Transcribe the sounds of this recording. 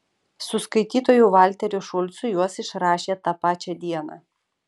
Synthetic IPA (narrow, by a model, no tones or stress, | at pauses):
sʊskɐɪt̪ʲiːt̪oːjuʋɑlʲt̪ʲɛɾʲʊʃʊlʲt̪sʊjuɔsɪʃɾɑːʃʲeːt̪ɑpɑːt͡ʃʲɛd̪ʲiɛnɑ̰ː